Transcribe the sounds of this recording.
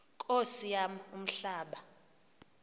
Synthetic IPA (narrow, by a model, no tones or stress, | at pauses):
kʼosijam̩um̩ɬaːɓa